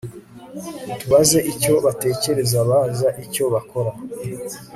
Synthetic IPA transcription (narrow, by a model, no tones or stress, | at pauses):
tuβaze̞ʔico̞βate̞ːce̞ɾe̞zaβaːnzaʔico̞βako̞ɾa